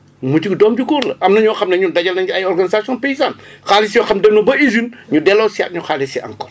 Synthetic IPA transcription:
mucikdɔːmɟukuːɾlɐʔɐmnɐɲɔxɐmnɐɲudɐɟɐlnɐɐjɔrɡɐnizasiɔːnpejizaːnxaːlisijɔxɐmdɛnɔbɐizinɲudɛlɔːsia̰ːt̚ɲuxaːlisiʔɐ̰ŋkɔr

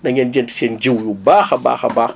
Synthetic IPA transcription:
nɐɲʲend͡ʒenti̥send͡ʒiwjubaːxɐba̰ːxɐbax

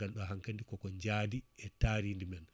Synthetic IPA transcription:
alɗɔɦaŋkandikɔkɔɲd͡ʒadiɛtaːɾindimɛn

